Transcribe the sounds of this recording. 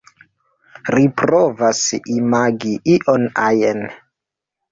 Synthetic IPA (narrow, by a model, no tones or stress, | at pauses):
ɾipɾovasimaɡiʔiʔonajen